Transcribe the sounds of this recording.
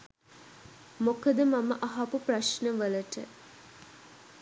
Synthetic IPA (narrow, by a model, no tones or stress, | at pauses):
mokəd̪əmaməʔɐɦapupraʃnəʋələʈə